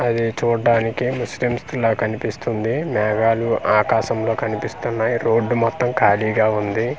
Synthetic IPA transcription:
ɐd̪it͡ʃuːɖaːnikimuslimst̪ulɐːkɐnipist̪und̪imɛːɡaːluʔaːkaːʃɐmlo̞ːkɐnipist̪unːaːjiɾo̞ːɖːumɔt̪ːɐmkaːliːɡaːund̪i

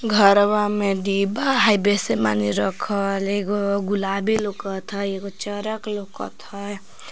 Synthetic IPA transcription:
ɡʱʌɾbamed̪ibaɦajbesema̰niɾʌkʰʌleɡoɡulabilokʌt̪ʰʌekot͡ʃʌɾʌklokʌ̰t̪ʰʌ

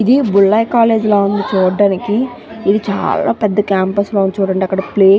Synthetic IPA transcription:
id̪ibuɭːɐjkaːle̞ːd͡ʒloːund̪it͡ʃuːɖaːnikiː | d̪it͡ʃa̰ːla̰ːpɛd̪ːɐkaːmpɐsloːunt͡ʃuːɽɐɳʈeːɐkːɐɽɐpleː

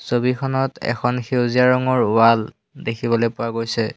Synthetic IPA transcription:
sobikʰɔnɔtɛ̰kʰɔnxewziaɹɔŋɔɹʊwal | dekʰibɔlojpʊwaɡojsɛ

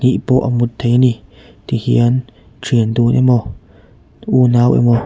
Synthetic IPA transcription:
nĩʔpoːʔa̰mut̪ʰenĩ | t̪ihjan | t͡ʃind̪uːnʔḛ̃mɔ̃ | uːnãwʔḛmõ

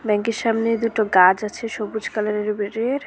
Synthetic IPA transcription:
bɛŋkeɾʃamned̪uʈoɡad͡ʑat͡ɕʰeʃobud͡ʑkalaneɾbeɾeɾ

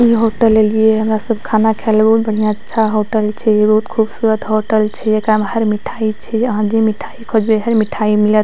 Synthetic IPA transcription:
iɦoʈəlelijeɦəmɾasəbkʰanakʰelbəɦut̪̚bəɽ̤ijaətːʃʰaɦoʈəlt͡ʃʰɛbəɦut̪kʰubsuɾət̪ɦoʈəlt͡ʃʰɛekɾamɦəɾmiʈʰait͡ʃʰɛəɦãd͡ʒimiʈʰaikʰod͡ʒbeɦəɾmiʈʰaimilət̪

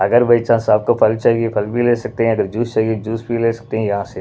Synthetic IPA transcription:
ɐɡəɾbɐɪt͡ʃãsaːb̚kopʰɐlt͡ʃaːɦiɡepʰɐlbʱileːsɐk̚t̪eɦɛ̃ɐɡəɾd͡ʒuːst͡ʃaːiɡed͡ʒuːsbileːsɐ̥k̚t̪eɦɛ̃jɐɦãse

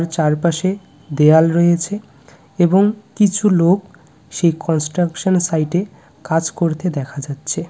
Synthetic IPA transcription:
ɾt͡ɕaɾpaʃe | d̪ealɾɔet͡ɕʰe | eboŋkit͡ɕʰulok | ʃejkɔnsʈɾakʃonsajʈe | kad͡ʑkoɾt̪ed̪ɛkʰad͡ʑatːɕʰe

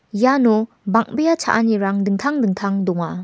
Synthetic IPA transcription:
janu | bak̚bejat͡ʃʰa̰ʔaniɾaŋdɯŋt̪ʰaŋdɯŋtʰaŋdɔŋa

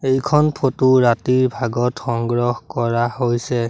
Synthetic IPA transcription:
ejkʰɔnpʰotuɹatiɹbʱaɡɔtxɔŋɡɹɔhkɔɹahojsɛ

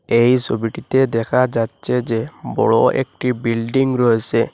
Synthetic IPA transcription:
ejsobiʈit̪ed̪ɛkʰad͡ʒatːt͡ʃʰed͡ʒebɔ̰ɭɔḛkʈibilɖiŋɾɔɦese

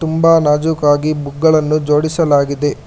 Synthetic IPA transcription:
t̪umbaːnaːd͡ʒukaːɡibuɡːɐɭɐnːud͡ʒo̞ːɽisɐlaːɡid̪e̞

